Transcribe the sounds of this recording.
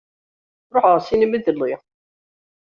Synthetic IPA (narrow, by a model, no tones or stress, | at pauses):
ɾˤoħəʁsiniməðəlːi